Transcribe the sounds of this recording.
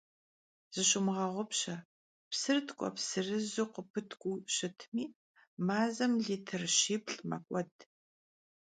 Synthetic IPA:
z̥ɨɕɪmʁɐʁʷʊpɕɐ | psɨrtʰkʷʼɔ̰psɨrɨzuqəpʰɨtʰkʷʼuɕɪtʰmiː | maːzɐmɮiːtʰɨrʃiːpɬʼmɐ̰kʷʼɔd

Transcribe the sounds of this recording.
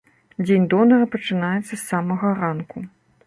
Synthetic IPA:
d͡zʲenʲd̪ɔnɐɾɐpɐt͡ʂɨnajɛt̪sːɐsːamɐɣɐɾanku

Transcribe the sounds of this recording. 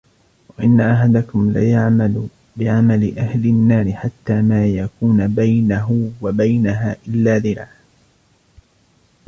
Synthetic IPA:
waʔɪnːaʔaħad̪akʊmlaːjaʕmal | bɪʕamalɪʔahlɪnːaːɾɪħat̪ːaːmaːjakuːnbajnaɦʊwabajnaɦaːʔɪlːaːðɪɾaː

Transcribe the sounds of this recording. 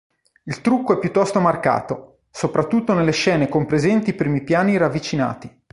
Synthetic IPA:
ilt̪ɾukːoɛpːjut̪ːɔst̪omarka̰ːt̪o | sopɾat̪ːut̪ːonelːeʃɛːnekompɾezɛnt̪iːpɾiːmipjaːniɾavːit͡ʃina̰ːt̪i

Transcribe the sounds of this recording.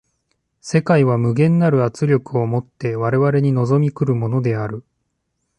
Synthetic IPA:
se̞kaiβamɯ̟ɡẽ̞nːaɾɯ̟at͡sɨɾʲo̞kɯ̟o̞mo̞t̪ːe̞βaɾe̞βaɾe̞ɲ̟ino̞zo̞mʲikɯ̟ɾɯ̟mo̞no̞d̪e̞aɾɯ̟

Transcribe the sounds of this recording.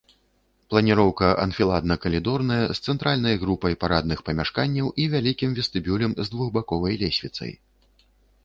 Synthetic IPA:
plˠɐnʲiɾɔwkɐʔɐ̰nfʲilˠad̪nɐkɐlʲid̪ɔrnɐjɐst̪sɛnt̪ɾalʲnɐjɣɾupɐjpaɾad̪̚nɨxpɐmʲaʂkanʲːɐwʔivʲalʲikʲimvʲɛst̪ɨbʲulʲɐmzd̪vuɣbakɔvɐjlʲɛsʲvʲit̪sɐ̰j

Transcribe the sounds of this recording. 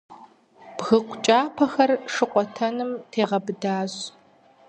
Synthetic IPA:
b̥ɣɨqʷʊt͡ʃʼaːpʰɐxɐrʂɨqʷʼɔtʰɐnɨmtʰeːʁɐbɨdaːɕ

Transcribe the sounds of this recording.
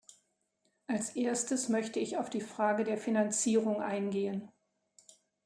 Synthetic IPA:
ʔalsʔeːɐstəsmœçtəɪçaʊfd̥iːfʁ̥aːɡədeːɐfinant͡siːʁʊŋʔa̰ɪnɡeːən

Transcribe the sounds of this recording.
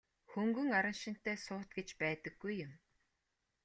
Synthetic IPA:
xɵŋɡɵ̆ŋaɾə̆nʃɪ̆n̥t̪eːsʊːt̪ɡet͡ɕpæːt̪ə̆ɡ̥ːujːʊm

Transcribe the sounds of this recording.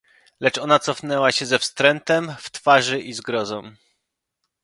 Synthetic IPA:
lɛt͡ʂɔnat̪sɔfnɛwaɕɛzɛfst̪ɾɛnt̪ɛmft̪faʐɘʔizɡɾɔzɔ̃w̃

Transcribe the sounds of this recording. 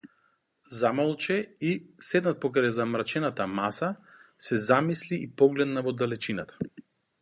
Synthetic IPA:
zamɔlˠt͡ʃɛisɛd̪nat̪̚pɔkɾajzamɾat͡ʃɛnat̪amasasɛzamisliːpɔɡlɛd̪navɔd̪alɛt͡ʃinat̪ʰḁ

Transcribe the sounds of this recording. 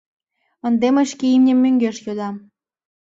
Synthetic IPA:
ə̆nd̪emə̆ʃkeimnʲemːøŋɡeʃjod̪ɑm

